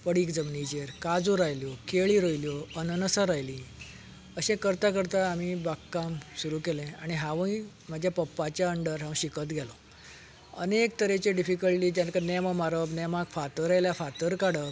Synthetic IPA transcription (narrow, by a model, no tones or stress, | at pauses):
pəɽiːkd͡zəmnit͡ɕeɾkad͡zũɾajljokeɭĩɾəjljoənənəsaɾajlĩ | əɕẽkəɾt̪akəɾt̪aːmibakːamsuɾukelẽaɽ̃iɦaʋəĩ | m̤ad͡ʑʱjapəpːat͡ɕjaəɳɖəɾɦãw̃ɕikət̪ɡʱɛlo | ə̰nek̚t̪əɾet͡ɕeɖifikəlʈiːt̪jãnkanemamaɾəbnemakfat̪əɾajljafat̪əɾkaɽə